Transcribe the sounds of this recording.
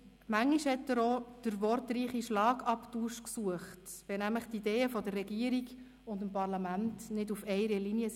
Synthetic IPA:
mæŋːiʃhɛtːəɾod̥əɾʋɔɾtriːχiʃlɑːɡɑptuʃksuəχtʋɛnæmləχt̪ideːəfɔdərːɛɡiəɾiɡ | ʊndəmpɑɾlɑmæntnɪdufɛɪɾəliniə

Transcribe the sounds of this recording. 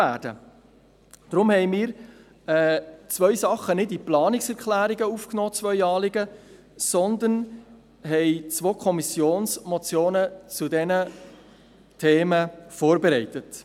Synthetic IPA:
æːd̥ə̰ | d̥ɾʊmhɛjmɪːɾ | ɛːt͡svœʏsɑχːənɪdiplɑːnɪksɛɾkχlæːɾiɡəuːfknɔːt͡svœʏɑːlɪɡə | sɔnd̪ən | ɦɛɪt͡svoːkʰɔmisjoːnsmɔt͡sjoːnət͡sudɛnə | tʰeːməfoːɾbɛɾɛɪtət

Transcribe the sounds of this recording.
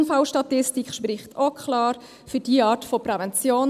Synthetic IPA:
nfɑlʃtɑtɪstikχʃpɾɪχtʰokʰlɑːɾ | fydiːəɑːtfopɾɛvɛnt͡sjoːn

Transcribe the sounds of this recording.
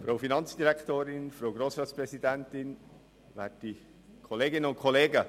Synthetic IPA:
fɾoʊfinɑnt͡sd̥iɾɛkʰtoːɾɪnfɾoɡɾoːsɾɑːtspɾɛsidɛntɪn | va̰ːtd̥i | kʰɔleːɡɪnəʊnt̚kʰɔleːɡə

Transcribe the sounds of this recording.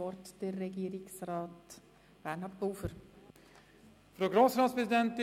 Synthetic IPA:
ɔɾtd̥ərːɛɡiːɾɪksrɑːt | b̥ænhɑpɡ̥oːfəɾ | fɾoːɡɾoːsɾɑːt̪spʰɾɛsɪd̪ɛnt̪ɪ

